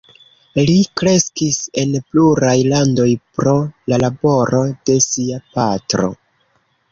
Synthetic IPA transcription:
likɾe̞skise̞npluɾajlando̞jpɾo̞lalabo̞ɾo̞de̞siapatɾo̞̰

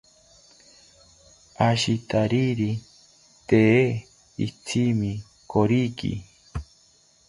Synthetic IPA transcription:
aʃit̪aɾiɾi | t̪e | ḭt͡sʰimi | koɾikḭ

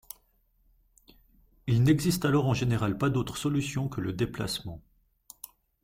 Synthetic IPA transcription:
ilnɛɡzist̪alɔʁɑ̃ʒeneʁalpad̪ot̪χə̥sɔlysjɔ̃kələd̪epla̰smɑ̃

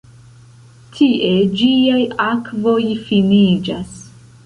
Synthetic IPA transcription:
tʰiʔe̞d͡ʒiajakvo̞jfinid͡ʒas

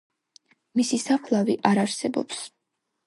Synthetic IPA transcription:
misisapʰlˠaviʔaɾaɾsɛbɔ̰ps

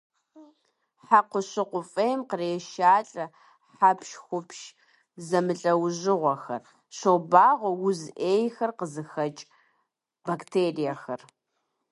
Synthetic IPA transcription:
ħaqʷʊɕɪqʷʊfʼejmqəreːʃaːɬʼɐ | ħapʰʃxʷʊpʃ | zɐmɨɬʼɐwʑɪʁʷɐxɐ̰r | ɕɐwbaːʁʷɐwʊzʔeːjxɐrqəzɨxɐt͡ʃʼ | baktʰeːrijɐxɐr

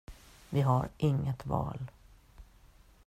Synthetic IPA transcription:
vɪɦaɾʔɪŋːət̪vɑ̰ːl

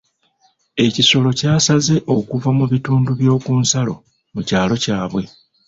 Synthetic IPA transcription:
e̞ciso̞lo̞caːsaze̞ʔo̞kuvamuβituːnduβjo̞ːkuːnsalo̞̰ | mucaːlo̞caːβwe̞

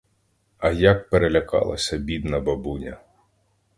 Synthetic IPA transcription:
ɐjak̚peɾelʲɐkɑ̰lˠɐ̰sʲɐbʲid̪nɐbɐbunʲɐ̰

